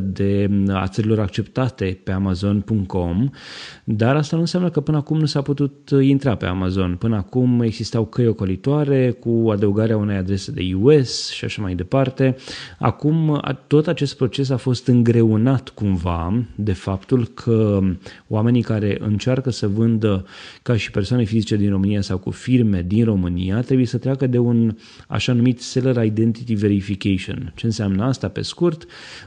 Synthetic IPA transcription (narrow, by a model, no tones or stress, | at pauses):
d̪e̞a̰t̪səɾilo̞ɾak̚t͡ʃe̞pt̪at̪e̞pe̞amazo̞npuŋkt̪ko̞m | d̪aɾast̪anuɨnsjʲamnəkəpɨnəakumnusaput̪ut̪int̪ɾape̞̰a̰mazo̞npɨnəakume̞ɡzist̪awkəjo̞ko̞lit̪oaɾe̞kuad̪əuɡaɾeaune̞jad̪ɾe̞se̞d̪e̞̰juue̞sʃi̥aʃamajd̪e̞part̪e̞a̰kuma̰t̪o̞t̪at͡ʃe̞st̪̚pɾo̞t͡ʃe̞s̬afo̞st̪ɨŋɡɾe̞unat̪kumvad̪e̞fapt̪ulkʰəoame̞nikaɾe̞ʔɨ̰nt͡ʃarkəsəvɨnd̪əkaʃi̥pe̞rsoane̞fizit͡ʃe̞d̪inro̞mɨnijasawkṵfirme̞d̪inro̞mɨnijat̪ɾebuje̞sət̪ɾeakəd̪e̞un | a̰ʃanumit̪se̞ləɾajd̪e̞nt̪it̪ive̞ɾifikeʃio̰nt͡ʃe̞ɨnseamnəast̪ape̞̰skurt̪